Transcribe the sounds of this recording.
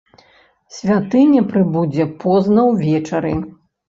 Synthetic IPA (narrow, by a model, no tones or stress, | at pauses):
sʲvʲat̪ɨnʲɐpɾɨbud͡zʲɛpɔznɐwvʲɛt͡ʂɐɾḭ